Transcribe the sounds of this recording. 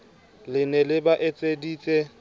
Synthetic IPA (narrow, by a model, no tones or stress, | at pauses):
lɪnɛlɪbaʔet͡sʼediːt͡sʼɛ